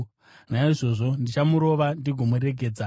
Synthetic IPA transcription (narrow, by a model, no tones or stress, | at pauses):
naiʐo̞ːʐo̞ndit͡ʃamuɾo̞ʋandiɡʱo̞muɾe̞ɡʱe̞ːd͡za